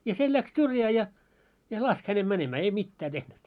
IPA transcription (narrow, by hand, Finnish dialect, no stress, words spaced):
jɑ se læks syrjæː jɑ jɑ lɑsk hænem mænemæː ei mitːæː tehnyt